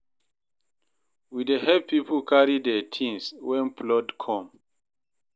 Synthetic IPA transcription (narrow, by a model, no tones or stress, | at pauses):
widehɛvpipɔkʰaɹidɛtʰĩnswɛ̃nplɔdkʰɔ̃m